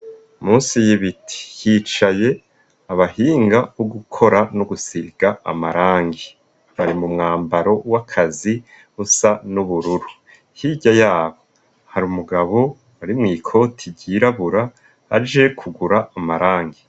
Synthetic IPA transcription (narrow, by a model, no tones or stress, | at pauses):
muːnsijiβitʰi̥jiːt͡ʃaje̞ | aβahiːŋɡaβoɡukʰo̞ɾanoɡusiɡ̥aa̰maɾaːŋɡi | βaɾimumŋaːmbaɾo̞wakʰazi | usanuβuɾuɾu | hiɟajaːβo̞ | haɾiumuɡaβo̞ | aɾimŋiːkʰo̞ːtʰiɟiɾaβuɾa | ad͡ʒekʰuɡuɾaamaɾaːŋɡi